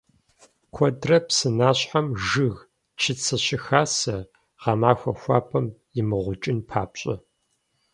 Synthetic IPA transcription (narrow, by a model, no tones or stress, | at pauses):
kʷʰɔdrɐpsɨnaːɕħamʒɨɣ | t͡ʃʰɪt͡sʰɨɕɪxaːsɐ | ʁɑmaːxʷɐxʷaːpʰɐmjɪmɨʁʷʊt͡ʃʼɪnpʰaːpɕʼɐ